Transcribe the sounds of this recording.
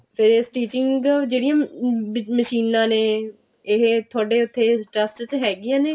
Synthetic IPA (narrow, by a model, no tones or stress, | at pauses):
pʰɪɾesʈiːt͡ʃɪŋɡd͡ʒeːɽijãː | məʃiːnãːneː | ɪɦt̪ʰʊaːɖeːʊt̪ʰːeːʈɾəsʈt̪ɦɛːɡɪjãːneː